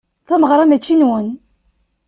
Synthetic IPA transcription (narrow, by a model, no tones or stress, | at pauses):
θæməʁɾˤɑmæt͡ʃːinwən